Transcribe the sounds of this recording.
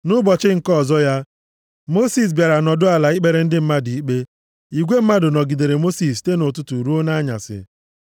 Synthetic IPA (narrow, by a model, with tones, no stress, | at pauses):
nʊ˦bɔ˨t͡ʃɪ˦ŋ̩˨kɔ˦˨zɔ˦ja˦ | mo˦si˨s̬bja˨ɾa˨nɔ˨dʊ˦a˨la˨i˦k͡pe˨ɾe˨˦n̩˦dɪ˦m̩˦ma˦di˨i˦k͡pe˦ | i˨ɡʷe˦m̩˦ma˦dʊ˨nɔ˨ɡi˨de˨ɾe˨mo˦si˨ste˦nʊ˨tʊ˦tu˨ɾu˦o˦na˦ɲa̰˨sɪ̰˨